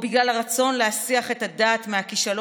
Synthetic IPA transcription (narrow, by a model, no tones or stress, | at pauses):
biɡlalaʁat͡so̞nleasiaχe̞tadaːt̪meakiʃalo